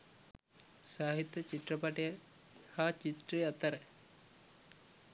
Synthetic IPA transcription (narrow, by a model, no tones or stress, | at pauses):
saːɦit̪jɐt͡ʃit̪rɐpɐʈejɐ | haːt͡ʃit̪ɾijɐt̪ːɐɾɐ